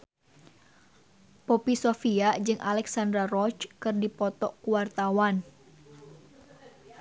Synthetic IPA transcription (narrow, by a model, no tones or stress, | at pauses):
popisofiad͡ʒɨŋʔalɛksandɾarɔt͡ʃkɨrdipɔt̪ɔʔkuwart̪awan